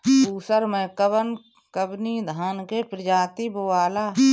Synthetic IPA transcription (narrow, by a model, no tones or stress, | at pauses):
uːsəɾmẽkəbən | kəbnid̪ʱaːnkepɾɪd͡ʒaːt̪ibowaːlaː